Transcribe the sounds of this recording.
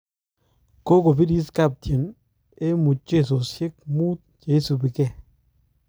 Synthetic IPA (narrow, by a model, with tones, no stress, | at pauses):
ko˦ko˨bi˦ɾi˦ska˦˨p̚tje˨n | e˦mu˨t̚t͡ʃe˦˨s̬o˨sje˦k̚muː˦t̪̚t͡ʃe˨˦su˨bi˨kɛ˦˨